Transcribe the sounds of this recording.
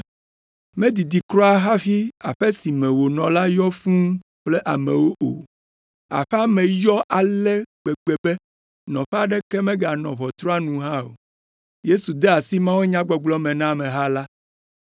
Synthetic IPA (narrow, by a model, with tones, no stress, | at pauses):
mɛ̃˦d̪i˨d̪i˨kɾɔ̃˦a˦ɦa˦fi˦a˨ɸɛ˦si˨mɛ̃˨wo˨nɔ̃˨la˦jɔ˦fũ˦ | k͡plɛ˦ʔa˨mɛ̃˨wo˦ʔo̰˨ | a̰˨ɸa˦mɛ̃˨jɔ˦ʔa˨lɛ˦ɡ͡be˨ɡ͡be˨bɛ˦ | nɔ̃˨ɸɛ˦a˦˨ɖɛ˦kɛ˦mɛ̃˦ɡa˨nɔ̃˨βɔ˨t̪ɾɔ˦a˦nũ˨ɦã˦o̰˨ | je˦su˨d̪ɛ˦a˨si˦mã˦we˦ɲã˦ɡ͡bɔ˨ɡ͡blɔ˦mɛ̃˨nã˦mɛ̃˨ɦa˦la˦